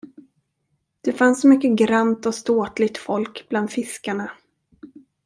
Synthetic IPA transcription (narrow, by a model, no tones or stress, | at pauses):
d̪̥ɛfansɔmʏkːəɡɾant̪ɔst̪oːt̪lɪɡ̚t̪fɔlkbland̪fɪskaɳa